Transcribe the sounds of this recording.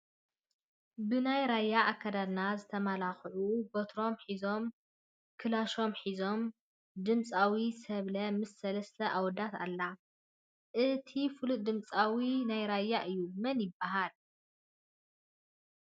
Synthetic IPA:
bɨnajɾajːaʔːkʰːad̪ad̪nazɨt̪ʰɐmalaxʕubot̪ʰɾo̞mħizo̞m | kʰɨlaʃo̞mħizo̞m | d̪ɨmt͡sʼawisɐβlɐmɨsːɐlɐst̪ʰɐʔawd̪at̪a̰lːa | ʔɨt̪ʰifɨlud̪ɨmt͡sʼawinajɾajːaʔɨjːumɐnjɪbːaɦal

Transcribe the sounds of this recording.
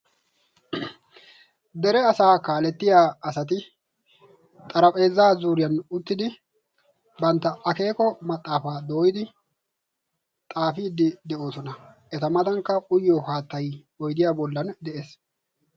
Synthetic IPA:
d̪ɛɾɛɐsaːkaːlɛt̪ːɪjaːɐsɐt̪̬ɪ | t̪ʼɐɾɐpʼe̞ːzːaːzuːɾɪjɐnʊt̪ːɪd̪ɪ | bɐnt̪ːɐʔɐke̞ːkɔmɐt̪ʼːaːfaːd̪o̞ːjɪd̪ɪ | t̪ʼaːfiːd̪ɪd̪ɛʔo̞ːsɔnɐʔɛt̪ɐmɐd̪ɐŋkːɐʔʊjːɔhaːt̪ːɐj | ɔjd̪ɪjaːbɔlːɐnd̪ɛʔeːs

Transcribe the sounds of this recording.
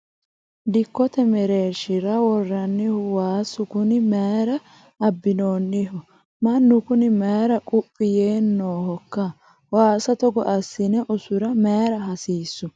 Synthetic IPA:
d̪ɪkːɔt̪ɛmɛɾeːʃɪɾɐwɔrːɐnːɪhʊwaːsʊkʊnɪmeːɾɐː | bːɪnoːnːɪɦʊ | mɐnːʊkʊnɪmeːɾɐkʼʊpʼːɪjeːnːoːhɔkːɐ | waːsɐt̪ɔɡɔʔɐsːɪnɛʔʊsʊɾɐmeːɾɐɦɐsiːsːʊ

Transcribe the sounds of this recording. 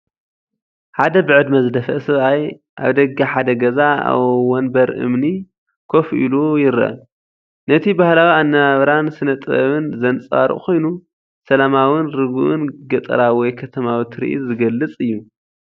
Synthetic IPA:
ħad̪ɐbɨʕɨd̪mɐzd̪ɐfɐ̰ʔsɐβaj | ʔa̰βd̪ɐɡaħad̪ɐɡɐzaa̰wwɔnbɐɾʔɨ̰mni | kʰo̞fʔḭlujɪɾʔɐ̰ | nɐt̪ʰibahlawianːɐβaβɐɾansɨnɐt̪ʼɐβɨnzɐnt͡sʼa̰ɾṵkʰo̞jnu | sɐlamawɨnɾɨɡuʔɨnɡɐt̪ʼɨ̰ɾawɔjkʰɐt̪ʰɐmawit̪ʰɨɾḭʔḭzɨɡɐlːɨt͡sʼɨjːu

